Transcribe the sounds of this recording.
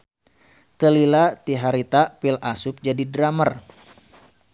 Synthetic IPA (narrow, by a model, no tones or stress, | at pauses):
t̪əlilat̪iɦaɾit̪apilasup̚d͡ʒadidɾamər